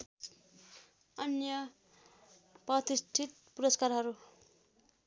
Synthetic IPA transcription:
ʌnjʌ | prʌt̪isʈʰit̪̚puɾʌskarɦʌɾu

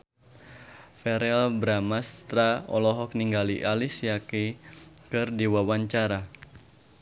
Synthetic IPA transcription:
fɛɾɛlbɾamast̪ɾaɔ̰lɔɦɔk̚niŋɡaliʔalisijakikɨrdiwawaɲt͡ʃaɾa

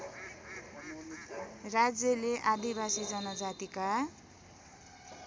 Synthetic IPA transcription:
rad͡zjʌleʔad̪ibasid͡zʌnʌd͡zat̪ika

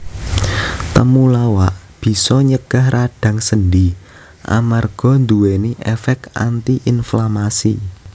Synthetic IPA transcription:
t̪əmulawaʔ | b̥i̤sɔɲəɡ̥a̤hraɖ̥ä̤ŋsəndi | ʔa̰marɡ̥ɔ̤nd̪uweniʔɛfɛk̪̚a̰nt̪iʔinflamasi

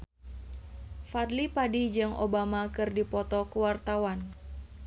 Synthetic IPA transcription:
fadlipadid͡ʒaŋʔo̰bamakɨrdipɔt̪ɔkəwart̪awan

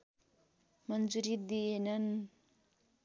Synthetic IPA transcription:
mʌnd͡zuɾid̪ijenʌn

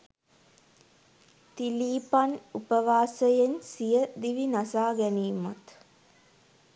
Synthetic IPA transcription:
t̪iliːpanupəʋaːsəjensijəd̪iʋinasaːɡɛniːmat̪

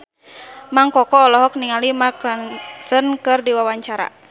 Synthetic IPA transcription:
maŋkɔkɔːlɔɦɔk̚niŋalimakɾansənkɨrdiwawaɲt͡ʃaɾa̰

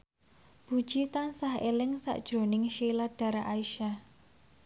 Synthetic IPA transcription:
b̥ṳd̥ʒ̥it̪ansahelɪŋsa̰ʔd̥ʒ̥ɾo̤nɪŋʃilad̥ä̤ɾaʔaiʃa

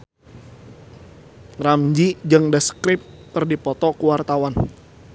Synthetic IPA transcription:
ramd͡ʒid͡ʒɨŋdəskɾɪp̚kərdipɔt̪ɔkəwart̪awan

